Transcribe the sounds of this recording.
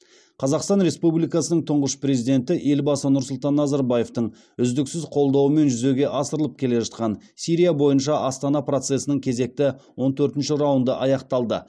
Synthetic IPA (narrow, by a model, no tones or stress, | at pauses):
qʰɑzɑqst̪ɑnɾe̞spublijkɑsənəɴt̪ʰʊɴʁəʃpre̞zid̪e̞nt̪ɪʔe̞lbɑsənʊɾsʊlˠt̪ɑnːɑzɑɾbɑje̞ft̪əɴ | ʏzd̪ɪksɪzqʰo̞lˠd̪ɑwəme̞nʒʏzeɡʲe̞ʔɑsəɾəlˠəp̚kʲʰe̞le̞ʒɑt̪̚qɑnsijɾijabo̞jənʃɑʔɑst̪ɑnɑprɾo̞t̪se̞sənəŋkʲʰe̞ze̞k̚t̪ɪwo̞nt̪ʰɵɾt̪ɪnʃɪɾɑwənd̪əʔɑjɑqt̪ɑlˠd̪ə̰